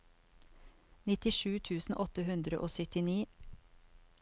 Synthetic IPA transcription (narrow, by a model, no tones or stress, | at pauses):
nɪt̪ɪʃʉːt̪ʰʉːsn̩ʔɔt̪əhʉnd̪ɾə̰ʔoːsœt̪ɪniː